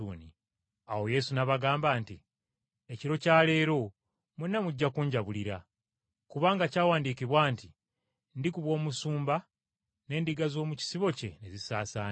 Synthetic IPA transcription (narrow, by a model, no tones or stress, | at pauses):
uːni | awo̞je̞sunaβaɡaːmbaːnti | e̞ciɾo̞caːle̞ːɾo̞ | munːamuɟːakuːɲɟaβuliɾa | kuβaːŋɡacaːwaːndikiβwaːnti | ndikuβwo̞ːmusuːmba | ne̞ːndiɡazo̞ːmuci̥siβo̞ce̞̰nezisaːsaːn